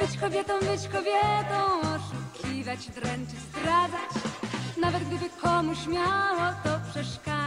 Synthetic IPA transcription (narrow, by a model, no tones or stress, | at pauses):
bɘt͡ɕkɔbʲjɛt̪ɔ̃w̃bɘt͡ɕkɔbʲjɛt̪ɔ̃w̃ɔʂukʲʰivat͡ɕd̪ɾɛnt͡ʂɘsd̪ɾad̪zat͡ɕnavɛd̪̚ɡ̚d̪ɘbɘkʰɔmuɕmʲjawɔt̪ɔpʂɛʂka